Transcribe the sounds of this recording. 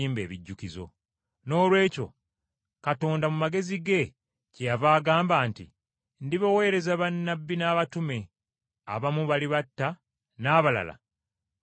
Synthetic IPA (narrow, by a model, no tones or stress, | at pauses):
iːmbe̞ːβiɟːukizo̞̰ | no̞ːlwe̞ːco̞̰ | kato̞ːndamumaɡe̞ziɡe̞ | cejavaːɡaːmbaːntḭ | ndiβawe̞ːɾe̞zaβanːabːinaːβatume̞ | a̰βamuβaliβatːa | naːβala̰la̰